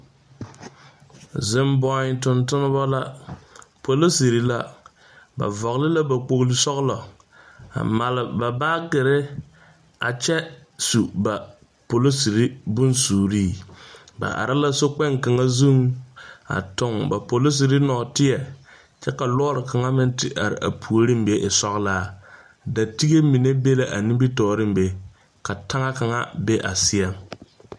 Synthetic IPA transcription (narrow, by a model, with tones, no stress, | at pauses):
zɪ˦mbɔ˦ɲ˦tʊ˦ntʊ˦nɨ˦ba˦la˦ | po˨lo˦si˨ɾi˦la˦ | ba̰˨vɔ˨ɣlɪ˦la˦ba˨k͡po˨kli˨sɔ˦ɣlɔ˨ | a̰˨ma˨lɪ˨ba˨baː˦ɡɪ˨ɾɪ˦ | a̰˨t͡ʃɛ˦su˨ba˨ | po˨lo˦si˨ɾi˦bʊ˦nsuː˨ɾiː˦˨ | ba̰˨ʔa̰˨ɾɪ˦la˦so˦k͡pɛ˦ŋka˨ŋa˦zu˦ŋ | a̰˨tʊ˦ŋba˨po˨lo˦s̬i˨ɾɪ˦nɔː˨tɪ˦ɛ˨ | t͡ʃɛ˦ka˨lɔ˦ɾɪ˨ka˨ŋa˦mɪ˦n˦tɪ˨ʔa˨ɾɪ̰˨ʔa̰˨pʰu˨o˦ɾi˦m˦be˦ʔɪ˨sɔ˦ɣlaː˦ | da˨ti˦ɡe˦mi˨ne˦be˦la˨ʔa˨ni˦mbi˦tɔː˨ɾɪ˦m˦be˨ | ka˨ta˦ŋa˦ka˨ŋa̰˦be˦ʔa̰˨sɪ˦a˦m